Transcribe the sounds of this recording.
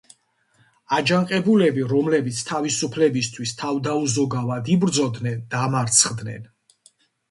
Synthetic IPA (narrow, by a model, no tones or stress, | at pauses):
ad͡ʒaŋqʼɛbulɛbiɾɔmlɛbit̪sʰt̪ʰavisupʰlɛbist̪ʰwist̪ʰavd̪auzɔɡavad̪ibɾd̪zɔd̪nɛnd̪amaɾt̪sʰχd̪nɛ̰n